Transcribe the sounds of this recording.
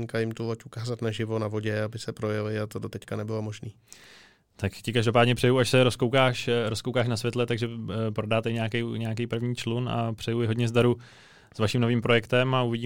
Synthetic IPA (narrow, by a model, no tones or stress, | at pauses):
ɲkajɪmt̪ulocukaːzat̪naʒɪvo̞navo̞ɟɛabɪsɛpɾo̞jɛlɪat̪odot̪ɛckanɛbɪlomoʒniː | t̪akcɪkaʒdo̞paːdɲɛpr̥ɛjuaʃsɛɾo̞skowkaːʃɾoskowkaːʃnasvʲjɛt̪lɛt̪aɡʒɛpɾo̞daːt̪ɛɪɲɛakɛjɲɛakejpr̩vɲiːt͡ʃluna̰pr̥ɛjujɪɦodɲɛzdaɾu | svaʃimno̞viːmpɾo̞jɛkt̪ɛmauvɪɟiː